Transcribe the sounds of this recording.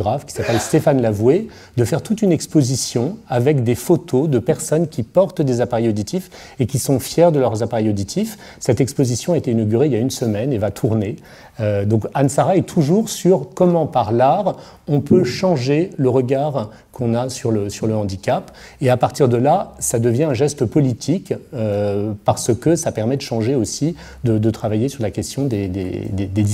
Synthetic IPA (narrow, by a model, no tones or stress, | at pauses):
ɡʁafkʲi̥sapɛlst̪efanlavwe | d̪əfɛʁt̪ut̪ynɛkspozisjɔ̃avɛkd̪efot̪ʰod̪əpɛʁsɔnkʲipɔʁt̪d̪ezapaʁɛjod̪it̪ʰif | ekʲisɔ̃fjɛʁd̪əlœʁzapaʁɛjod̪it̪ʰif | sɛt̪ɛkspozisjɔ̃aet̪einɔɡʲyʁeiljaynsəmɛnevat̪ʰuʁne | ød̪ɔ̃kansaʁaɛt̪ʰuʒuʁsyʁkɔmɑ̃paʁlaʁ | ɔ̃pøʃɑ̃ʒeləʁəɡaʁ | kʰɔ̃nasyʁləsyʁləɑ̃d̪ikap | eapaʁt̪iʁd̪əlasad̪əvjɛ̃ɛ̃ʒɛst̪əpɔlit̪ʰikøpaʁsəkəsapɛʁmɛd̪əʃɑ̃ʒeosi | d̪əd̪ət̪χavajesyʁlakʲɛst̪ʰjɔ̃d̪ed̪ḛd̪ed̪ed̪i